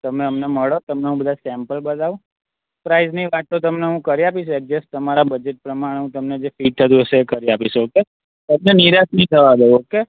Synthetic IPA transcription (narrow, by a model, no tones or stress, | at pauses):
t̪əmeəmneməɭot̪əmneɦũbəd̪ʱasɛmpəlbəd̪aʋũ | pɾaizniʋaʈ̪ːot̪əmneɦũkəɾiapiʃuek̚d͡ʒesʈt̪əmaɾabəd͡ʒeʈ̚pɾəmaɽ̃eɦũt̪əmned͡ʒefiʈ̚t̪ʰət̪̬ũɦəʃeːkəɾiapiʃuoke | t̪əmneniɾasnit̪ʰəʋad̪eoke